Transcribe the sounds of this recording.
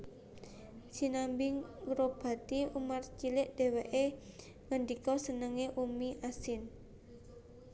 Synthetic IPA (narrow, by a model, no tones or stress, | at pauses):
d͡ʒ̥i̤nambɪŋɾob̥a̤t̪iumart͡ʃilɪʔd̥e̤weʔe | ŋəɳɖikɔsənəŋeʔumiʔasɪn